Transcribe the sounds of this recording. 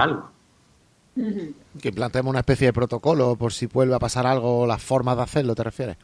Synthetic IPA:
alɣo | keimplant̪eemounaespe̞θjeðepɾo̞t̪o̞ko̞lo̞po̞ɾsiβwe̞lβeapasaɾalɣ̞o̞ːlasfo̞ɾmazðaθeɾlo̞t̪e̞refje̞ɾe

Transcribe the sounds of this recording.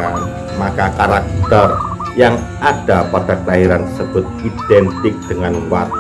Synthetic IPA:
an | makakaɾakit̪ər | jaŋ | aɖ̥a̤pad̥a̤klaɦiɾansəd̥ʊt̪̚id̪̥ɛnt̪ɪk̚d̪̥əŋanwa

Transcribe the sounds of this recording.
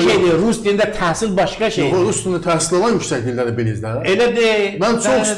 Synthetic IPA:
ʃejd̪iɾust̪ind̪æt̪ʰæhsilbɑʃkɑʃeɾust̪ʰinɯt̪ʰæhsilˠolˠɑnjycsæcd̪ilʲd̪æɾibilizd̪æelæd̪emænt͡ʃʰoks

